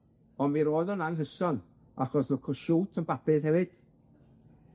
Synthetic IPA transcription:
ɔnmiɾoːɨðɔnanɦəsɔn | a̰χɔsəkʰɔʃuːtʰənbapʰɨðhɛvɨd̥

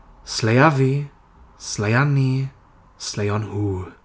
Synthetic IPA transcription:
slɛjavi | slajani | slɛjɔnhuː

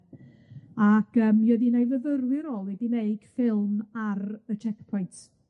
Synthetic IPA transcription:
akəːmjoðinajvəvəɾwɪɾoːlˠwɛdimejɡ̥fɪlˠmaɾət͡ʃʰɛkpʰɔjnt

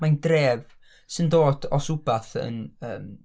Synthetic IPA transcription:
majndreːv | səndoːd̥ɔsʊbaθə̰nəːm

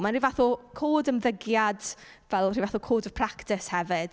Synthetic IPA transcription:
manrivaθɔkʰoːdəmðəɡjad | vɛlˠrivaθʊkʰoːdəv̥pʰraktɪshɛvɪd̥

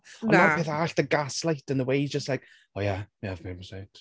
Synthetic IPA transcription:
ɔ̃nnapeːθaɬðəɡaslˠajtʰənðəwejd͡ʒəstlajk | oːjamiavmɪməsajt

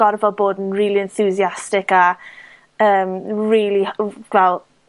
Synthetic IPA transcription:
ɔrvɔboːdn̩riːliɛnθuziastɪka | əːmɹiːliɡvɛlˠ

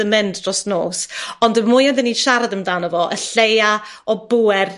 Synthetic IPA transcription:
əmɛndrɔsnoːsɔndəmujɔndəniʃaɾadəmdaːnəvɔʔə̰ɬeja | ɔbuɛr

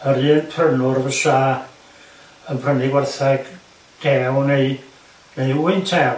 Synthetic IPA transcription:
əɾɨːnpʰrənʊrvəʃaː | ənpʰrənɪɡwɛrθɛɡ̥ | d̥ɛwnej | nejuɨntʰɛ

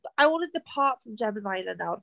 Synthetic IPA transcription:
aɪwɑ̃ntɨd̚ðəpʰɑˑtfɹə̃md͡ʒɛməzaɪlə̃ndaʊ

